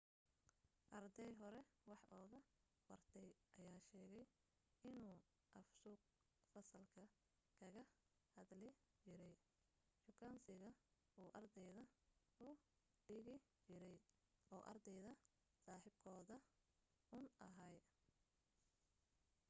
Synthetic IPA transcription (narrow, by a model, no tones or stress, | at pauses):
ʔɐrd̪ɛjɦɔɾɛwɑħʔɔːɣɐ | wɑrt̪ʰɛjʔɐjaːʃɛːɣɛj | ɪnuː | ʔɐfsʊːq̚ | fɐsɐlkʰɐ | kʰɐɣɐ | hɐd̪lɛ | t͡ʃɪɾɛj | t͡ʃʊkʰaːnsɪɣɐ | uːʔɐrd̪ɛjðɐ | ʊ | ɖɪɣɪt͡ʃɪɾɛj | ʔɔːʔɐ̰rd̪ɛjðɐ | saːħɪb̚kʰɔːðɐ | ʊnɐɦɐj